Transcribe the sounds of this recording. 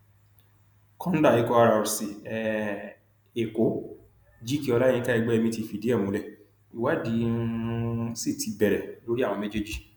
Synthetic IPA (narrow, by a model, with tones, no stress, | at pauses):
kʰɔ̃˦n̩˦da˦˨i˨˦kɔ˧a˧ɾa˧˨ɾu˨si˨ɛ˨ | e˨ko˨˦ | d͡ʒi˦ki˦ɔ˧lã˦˨˧ka˦i˧ɡ͡bɛ˦ɛ˧mĩ˧ti˧˨fi˨di˨˦ɛ˦˨mũ˨˦lɛ˦˨ | i˨wa˨˦di˨˦si˦˨tʰi˨˧bɛ˨ɾɛ˨lo˨˦ɾi˦ã˦˨ɔ̃˧me˦d͡ʒe˦d͡ʒi˦